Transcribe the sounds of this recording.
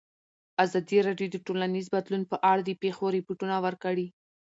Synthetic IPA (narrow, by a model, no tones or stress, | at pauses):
azɑd̪iɾɑɖjod̪əʈolanizbad̪lunpəʔaɽad̪əpexoɾepoʈunawəɾkaɽi